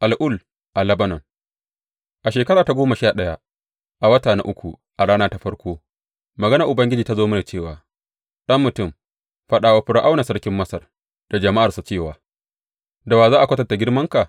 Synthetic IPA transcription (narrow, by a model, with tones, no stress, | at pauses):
ʔa˨lʔʊ˦˨l | ʔa˨lɐ˦bɐ˦nɐ˨ŋ | ʔa˨ʃeː˨kɐ˦ɽaː˨ta˨ɡʷoː˦ma˨ʃaː˦˨ɗɐ˦ja˦ | ʔa˨wɐ˦taː˨na˦ʔʊ˦kʷu˨ | ʔa˨ɽaː˦naː˦ta˦ɸɐ˦ɽkʷoː˦ | mɐ˨ɡɐ˦nɐ˨ʔʊ˨bɐ˦ŋɡʲɪ˦d͡ʒiː˨ta˦zoː˦mɐ˦na˨t͡ʃeː˦˨waː˨ | ɗɐ˦mːʊ˨tʊ˦˨m | ɸɐ˦ɗaː˨waː˦ɸɪ˦ɽa˦ʔa˦wna˨sɐ˦ɽkʲɪ˦mːɐ˦sɐ˨r | d̥a˨d͡ʒɐ˨ma˦ʔa˨rsa˨t͡ʃeː˦˨waː˨ | da˨waː˨zaː˦ʔa˨kʷɐ˦tɐ˨nta˨ɡʲɪ˦ɽmɐ˦ŋka˨